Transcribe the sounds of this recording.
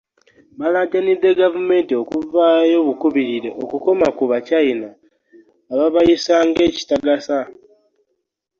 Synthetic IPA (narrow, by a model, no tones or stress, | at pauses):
βalaɟanid̪ːe̞ɡavume̞ːntio̞kuvajo̞βukuβiɾiɾe̞ʔokuko̞makuβacainaː | βaβajisaːŋɡe̞ːci̥taɡasa